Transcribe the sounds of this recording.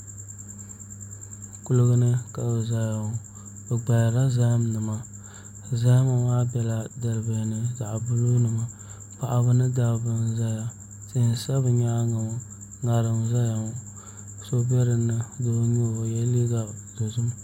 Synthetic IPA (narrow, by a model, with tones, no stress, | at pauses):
kʊ˨lɨ˨ɡɨ˦nɨ˦ka˨bɛ˨za˨ja˨ | bɛ˨ɡ͡ba˨ja˨ɾa˦za˦m˦nɨ˨ma˨ | za˦ma˨waː˦bɛ˨la˨dɨ˨ɾɨ˨be˨nɨ˨za˨ʔbʊ˦lu˦nɨ˨ma˨ | pa˨ʔa˨bɨ˦nɨ˦da˨bɨ˨nza˦ja˨ | tɨ˦n˨sa˦bɨ˨ɲa˦ŋa˨o˦ | ŋa˨ɾɨ˨mza˦ja˨ŋ˨ | so˦bɛ˦ɾɨ˨nɨ˨do˨˦ɲo˦˨jɛ˦li˦ɡa˨do˨zu˦m